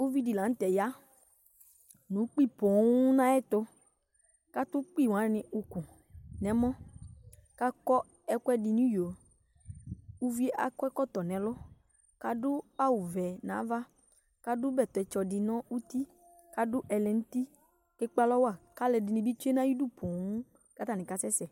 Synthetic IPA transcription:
o˦vi˦di˨la˨ŋ̩˦t̪ɛ˨ja˦ | nũ˨˦k͡pi˦˨pɔ̃˨˦u˦nã˦ɛ˦t̪ɔ˦ | ka˦t̪ʊ˦k͡pi˦˨wã˨˦˨nɪ̃˨u˨ku˨ | nɛ̃˨˦mɔ̃˦ | ka˦kɔ˦ | ɛ˦kɔ˦ɛ˦di˨nũ˦jo˨ | u˦vi˦e˦ʔa̰˨kɔ˦ɛ˦kɔ˦t̪ɔ˨nɛ̃˨lɔ˦ | ka˦dʊ˦a˦wu˨vɛ˨nã̰˨˦va˦ | ka˦dʊ˦bɛ˨t̪ɔ˨ɛ˨t͡ʃɔ˨dɪ˨nɔ̃˦u˦t̪i˦ | ka˦dʊ˦ʔɛ˨lɛ˨ŋu˦t̪i˦ | kɛ˦k͡pa˦lɔ˦wa˦˨ka˦lɛ˨dɪ˨nĩ˨bi˦t͡ʃu˦e˦nã˦ji˦du˦˨pʰɔ̃˨˦ũ˦ | ka˦t̪a˨nĩ˨ka˨˦sɛ˦sɛ˨

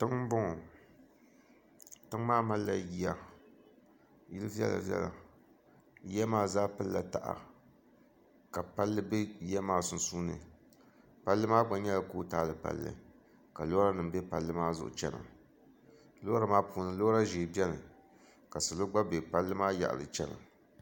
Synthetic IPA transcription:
tɨ˦ŋ˦bʊ˦ŋɔ˨ | tɨ˦ŋmaː˦ma˦lːa˨ji˦˨a˨ | ji˦lɨ˦vi˦ɛ̰˦la̰˨vɛ̰˦la̰˨ | jɛ˦maː˦zaː˦pɨ˦lːa˨ta˨ʔa̰˨ | ka˨pa˦lːɨ˦be˦jɛ˦maː˦sʊ˦n̩˦suː˦nɨ̰˨ | pa˦lːɨ˦maː˦ɡ͡ba˨ɲɛ˦la˨koː˦taː˦lɨ˨pa̰˨lːɨ̰˨ | ka˨lo˦ɾa˦nɨ˨mbɛ˦pa˨lːɨ˦maː˦zʊ˨ʔʊ̰˨t͡ʃɛ˦nɨ̰˨ | lo˦a˦maː˦pu˨˦nɨ˨lo˦ɾa˦ʒeː˨bɛ˦nɨ˨ | ka˨sɨ˨lo˦ɡ͡ba˦be˨pa˦lːɨ˦maː˦ja̰˨ʔlɨ̰˨t͡ʃɛ˦nɨ̰˨

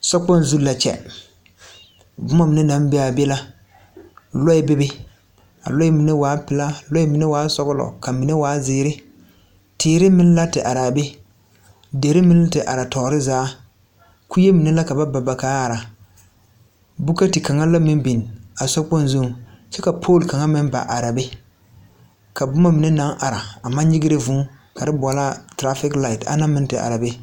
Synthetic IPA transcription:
sɔ˦k͡pɔ˦n˨zu˦la˨t͡ʃɛ̰˨ | bʊ˦ma˦mɪ˨ne˦na˦m˦be˦a˨be˦la˦ | lɔ˦ɪ˨˦be˦bɪ˦ | a̰˨lɔ˦ɛ˦mi˨ne˦waː˨˦pɪ˨˦la˦lɔ˦ɛ˦mi˨ne˦waː˨˦sɔ˦ɣʊ˦lɔ̰˨ka˨mi˨ne˦waː˨˦zɪː˦ɾɪ˦ | tɪː˨˦ɾɪ˦mɪ˦n˦la˦tɪ˨ʔa˨ɾa˨be˦ | de˨ɾɪ˦mɪ˦n˦la˦tɪ˨ʔa̰˨ɾa˨tɔː˨ɾɪ˦zaː˨˦ | ku˦je˦mi˨ne˦la˦ka˨ba˦ba˨ba˨kaː˨˦a˨ɾa˨ | bu˦ka˦ti˨ka˨ŋa˦la˦mɪ˦bi˨n˨a˨sɔ˦k͡pɔ˦n˦zo˦˨ŋ | t͡ʃɛ˦ka˨pʰoː˦˨lka˨ŋa˦mɪ˦nba̰˨ʔa˨ɾa˨bɪ˦ | ka˨bʊ˦ma˦mi˨ne˦na˨˦ŋʔa˨ɾa˨a˨ma˦ɲɪ˦ɡɪ˦ɾɪ˦vʊ̃˦ | ka˨ɾɪ˦bʷɔ˨la˦tɾa˦fɪ˦kla˨ɪ˨ta̰˦na˦mɪ̃˦n˦tɪ˨ʔa̰˨ɾa˨be˦

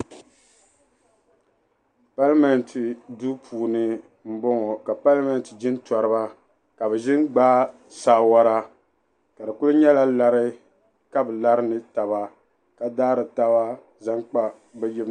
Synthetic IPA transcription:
pa˦lmɛ˨n˨tʰɨ˨du˦pʰuː˨nɨ˨ | m̩˦bɔ˦ŋɔ˨ka˨pa˦lmɛ˨ntɨ˨d͡ʒɪ˦n˦tɔ˨ɾɨ˦ba˦ | ka˨bɛ˨ʒɪ˦nɡ͡baː˦ | saː˦˨wa˦ɾa˦ | ka˨dɨ˨kʊ˦lɨ˦ɲɛ˦la˦la˨ɾɨ˦ | ka˦bɨ˨la˦ɾɨ˦nɨ˨ta˨βa˦ | ka˨daː˦ɾɨ˨ta˦ba˦ | za˦ŋk͡pa˦ | bɛ˦jɪ˦b

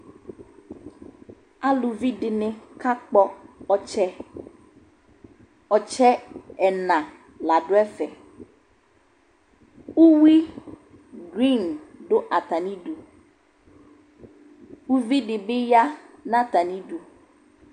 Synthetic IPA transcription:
a˦lu˨vi˦ɖe˨nẽ˨ka˦k͡pɔ˦ɔ˦t͡ʃɛ˦ | ɔ˨t͡ʃɛ˦ɛ˨nã˨ | la˨ɖo˦ɛ˦fɛ˨ | wu˦wi˦ | ɡɾi˦˨nɖo˦ʔa˨t̪a˨nĩ˦ɖu˨ | wu˦vi˦ɖɪ˨be˦ja˦nã˦t̪a˨nĩ˦ɖu˦

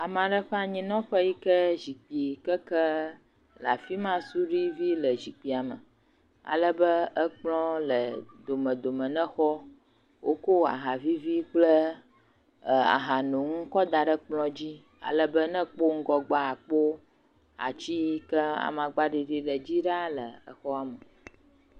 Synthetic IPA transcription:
a˨m˨ã˨ɖə˦ɸɛ˦a˨ɲĩ˨˦nɔ̃˦ɸə˦ji˦kə˦zi˨k͡pi˨kə˦kə˦ | la̰˨fi˦mã˦su˦ɖi˦vi˦lə˨zi˨k͡pi˨a˨mə̰˨ | a̰˨lə˦bə˦ə˦k͡plɔ̃˦lə˨d̪o˨mə̃˨d̪o˨mə̃˨nɛ̃˦xɔ˦ | wʔo˦ko˦a̰˨ɦa˨vi˦vi˦k͡plə˦˨ | a̰˨ɦa˨nũ˨ŋũ˦kɔ˦d̪a˨ɖə˦k͡plɔ̃˦d͡ʑi˦ | a̰˨lə˦bə˦nə̃˦k͡po˦ŋ̩˦ɡɔ˨ɡ͡ba˦a˨k͡po˦ | a̰˨t͡ɕi˦kə˦a̰˨mã˨ɡ͡ba˦ɖi˨ɖi˦ɖə˨d͡ʑi˦ɖa˦lə˨ə̰˨xɔ˦a˨mə˨

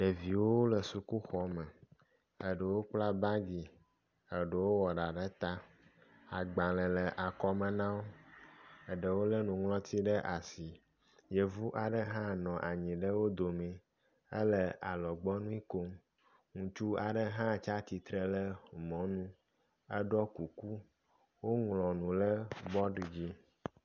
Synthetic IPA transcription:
ɖə˨vi˨wo˦wo˦lə˨su˨ku˦xɔ˦mɛ̃˨ | ə˦ɖə˨wo˦k͡pla˦ba˦ɡi˨ | ə˨ɖə˨wo˦wɔ˨ɖa˨ɖə˦t̪a˦ | a˨ɡ͡ba˨lə̃˨lə˨ʔa˨kɔ˦mə̃˨nã˦wo˦ | ə˨ɖə˨wo˦lə˦nũ˨ŋlɔ̃˦t̪i˦ɖə˦ʔa˨si˨ | je˨vu˦ʔa˨ɖə˦ɦã˦nɔ̃˨ʔa˨ɲĩ˨ɖə˦wo˦d̪o˨mɛ̃˨ | ɛ˦lɛ˨a˨lɔ˨ɡ͡bɔ˦nũ˦i˦ko˦m | ŋũ˨t͡ʃu˦a˨ɖə˦ɦã˦˨t͡ʃa˦t̪i˨t̪ɾɛ˨lɛ˦mɔ̃˨˦nũ˦ | ɛ˦ɖɔ˦ku˨ku˦ | wo˦ŋlɔ̃˨nũ˨lə˦bɔ˦ɖi˨d͡ʑi˦

